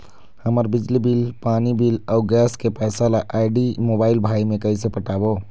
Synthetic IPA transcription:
həməɾbɪd͡ʒlibilpaːnibilaʊɡɛːskepɛːsalaʔaːɪɖimoːbaːɪlbʱaːimẽkəisepəʈaːbo

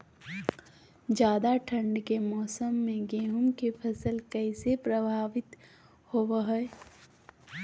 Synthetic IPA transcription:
d͡ʒjaːd̪aʈʰə̃ɳɖkemɔːsəmːẽɡeːɦʊmkepʰɐsəlkɛɪsepɾəbʱaːʋɪt̪ | hoʋɦɛ

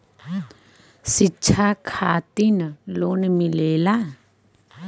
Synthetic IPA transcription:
sɪːʃʰakʰaːt̪inloːnmɪleːla

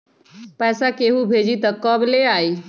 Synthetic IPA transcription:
pɛsakeɦubʱed͡ʑit̪əkːɔbleai

